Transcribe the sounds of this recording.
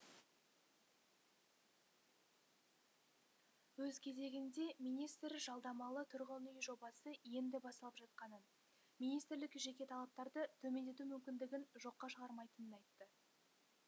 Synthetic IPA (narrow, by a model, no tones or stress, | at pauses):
wɵzkʲʰe̞ze̞ɡʲɪnd̪e̞mijnijst̪ɾʒɑlˠd̪ɑmɑlˠət̪ʰʏɾʁəlnijʒo̞bɑsəje̞nd̪ɪbɑst̪lˠəpʒɑt̪̚qɑnən | mijnijst̪ɾlɪkʒe̞kʲe̞t̪ʰɑlˠɑp̚t̪ɑɾd̪ət̪ʰɵme̞nd̪e̞t̪̬umʏmkʲɪnd̪ɪɡʲɪnʒo̞qːɑʃəʁɑɾmɑjt̪ənənɑjt̪ːə